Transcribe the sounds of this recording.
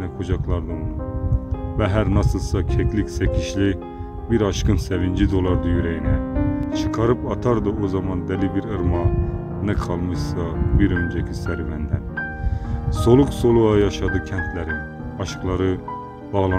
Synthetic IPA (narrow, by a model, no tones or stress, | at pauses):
nɛkʰod͡ʒɑkʰlˠɑɾd̪ɯolu | vɛɦæɾnɑsɯlˠsɑcʰɛkʰliksækʲʰiʃli | biɾɑʃkɯnsævind͡ʒid̪olˠɑɾd̪yjyɾæjinɛt͡ʃʰɯ̥qʰɑɾɯpʰɑt̪ʰɑɾd̪ɯʔozɑmɑnd̪ælibiɾɯɾmɑ | nɛkʰɑlˠmɯʃsɑbiɾønd͡ʒæcʰisæɾvænd̪æn | solˠuksolˠuɑjɑʃɑd̪ɯcʲʰænt̪ʰlæɾin | ɑʃqlˠɑɾɯ | b̥ɑɣlˠɑ